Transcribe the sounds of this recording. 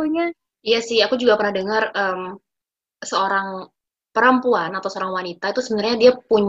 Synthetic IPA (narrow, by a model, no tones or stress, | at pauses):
uɲa | ijasɪhakud͡ʒuɡapərnahdəŋərəm | səoɾaŋ | pəɾəmpuanat̪awsəoɾaŋwanit̪ait̪usəbənarɲadiapuɲ